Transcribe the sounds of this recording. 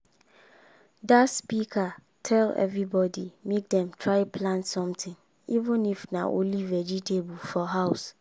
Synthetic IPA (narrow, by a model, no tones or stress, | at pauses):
datspikʰa | tʰɛlɛ̰vɹibɔdimek̚dɛ̃mtʰɹaɪpʰlãntsɔ̃mtʰɪ̃ŋ | ivə̃nifnã̰ʔo̰livɛd͡ʒitʰebʊlfɔɦaʊs